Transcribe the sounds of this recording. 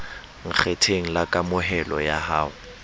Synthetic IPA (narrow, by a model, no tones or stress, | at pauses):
ŋ̩k͡xʰetʰeŋ̩lakʼamʊɦɛlɔ̰jahaːʊ